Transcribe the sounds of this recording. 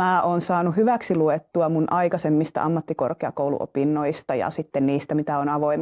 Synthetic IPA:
æːʔoːnsɑːnuhyʋæksiluet̪ːuɑmunʔɑikɑsemːist̪ɑ̰ʔɑmːɑt̪ːikorkeɑ̰koulṵʔo̰pinːoist̪ɑjɑ̰sit̪ːenniːst̪æmit̪æonɑʋoim

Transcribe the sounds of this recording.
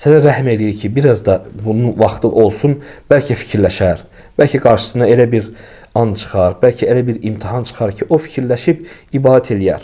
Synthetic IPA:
sænæɾæhme̞lijiɾcʰibiɾɑzd̪ɑbununvɑχt̪ʰɯʔo̞lˠsunb̥ælcʰæfi̥cʰiɾlæʃæɾ | b̥ælcʰæɡɑɾʃɯ̥sɯnɑe̞læbiɾ | ɑnt͡ʃʰɯ̥χɑɾbælcʰæelæbiɾimt̪ʰihɑnt͡ʃʰɯ̥χɑɾcʰiʔo̞fi̥cʰiɾlæʃib | ibɑːd̪æt̪ʰe̞lijæɾ̥

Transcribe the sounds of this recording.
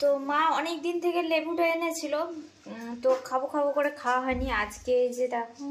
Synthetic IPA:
t̪omãɔnek̚d̪int̪ʰekelebuʈoenet͡ɕʰilo | t̪okʰabokʰabokoɾekʰawaɦɔeniad͡ʑked͡ʒet̪a

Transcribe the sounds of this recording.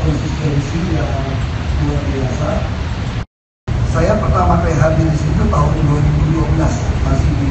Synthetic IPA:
kɔnsist̪ɛnsijaŋluarbiasa | sajapərt̪amaneɦat̪̚ɲanisit̪ut̪aɦʊnduaɾibuduabəlasmasihbi

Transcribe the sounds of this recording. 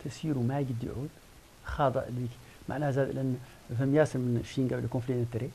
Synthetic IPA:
t̪əsiɾumæjɡəd̪ːḭʕṵd̪ | xɑd̪ˤə̰ʔəlik | mʔa̰ʕnæhzæd̪lʔənː | fəmjæsəɾmənʃinɡæbləlkõflinət̪ɾi

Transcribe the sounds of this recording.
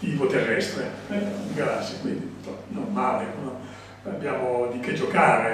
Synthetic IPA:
t̪iːvot̪erːɛst̪ɾeɛuɡasekwḭnd̪it̪ɔno̰rmaːlekon | abːjaːmod̪iked͡ʒokaːɾe

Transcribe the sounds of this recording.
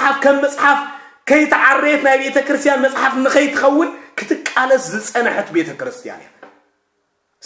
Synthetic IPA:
ħafkʰɐmːɐt͡sʼħaf | kʰɐjt̪ʰɐʕarːet̪najbe̞t̪ʰɐkɨɾɨst̪ʰjanmɐsʼħafɨnːɨxɐjt̪ʰɨxɐwːɨnkʰɨ̥t̪ʰɨkʼːalɐszɨt͡sʼɐnɨħɨt̪be̞t̪ʰɐkɨɾɨst̪ʰija̰na̰ | s

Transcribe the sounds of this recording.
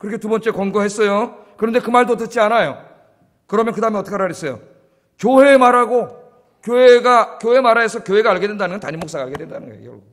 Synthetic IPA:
kɯɾʌkʰetubʌnt͡ɕ͈e̞kʌŋɡoɦes͈ʌjo | kɯɾʌnde̞kɯmaɭdotɯt͡ɕ͈ianajo | kɯɾʌmjʌnkɯdaɯmeʌt͈ʌkʰeɾaɾjes͈ʌjo | kjoɦe̞ːmaɾaɡo | kjoeɡakjoɦe̞maɾaesʰʌkjoɦe̞ɡaːɭɡe̞dwendanɯnɡʌntaɲimoks͈aɡaɭɡe̞dwendanɯnɡʌjḛkjʌ̰ɡu

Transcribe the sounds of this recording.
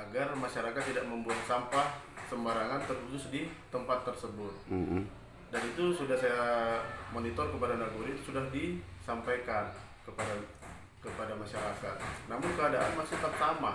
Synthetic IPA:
aɡarmaʃaɾakat̪ːidaʔ̚məmbuat̪sampah | səmbaɾaŋant̪ərput̪ʊsdit̪əmpat̪ːərsəbʊt̪̚ | danit̪usudahsajamonit̪ɔrkəpadanaɡuɾiːt̪u̥sudahdisampajkan | kəpada | kəpadamaʃaɾakat̪̚namʊnkəadaʔanmasɪt̪ərt̪ama

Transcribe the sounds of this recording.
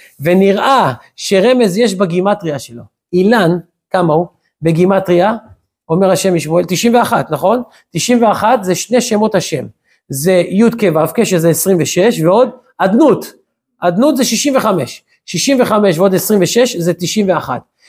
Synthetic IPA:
ve̞niʁʔa | ʃe̞ʁe̞me̞zjeʃbaɡimat̪ʁiaʃelo̞̰ | ilan | kamau | be̞ɡimat̪ʁia | ome̞ʁhaʃe̞miʃmoelt̪iʃimveaχat̪naχo̞n | t̪iʃimve̞aχat̪zeʃne̞ʃemo̞t̪haʃe̞m | zejud̪kevavkeʃezeesʁimveʃeʃveo̞d̪ | ad̪nut̪ | ʔad̪nut̪zeʃiʃimve̞χame̞̰ʃː | iʃimve̞χame̞ʃveo̞d̪esʁimveʃe̞ʃzet̪iʃimveaχa̰t̪

